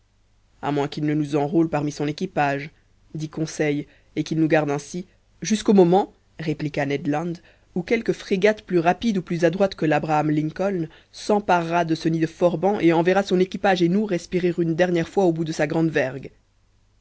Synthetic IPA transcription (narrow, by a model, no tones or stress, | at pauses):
a̰mwɛ̃kilnənuzɑ̃ʁolpaʁmisɔ̃nekʲipaʒ | d̪ikɔ̃sɛj | ekilnuɡaʁd̪ɛ̃si | ʒyskomɔmɑ̃ | ʁeplikanɛd̪lɑ̃d̪ | ukɛlkəfχeɡat̪plyʁapid̪uplyzad̪ʁwat̪kəlabʁaːmlĩŋkɔln | sɑ̃paʁːad̪əsənid̪əfɔʁbɑ̃ʔeɑ̃vɛʁasɔ̃nekʲipaʒenuʁɛspiʁeʁynd̪ɛʁnjɛʁfwaobud̪əsaɡʁɑ̃d̪vɛʁɡ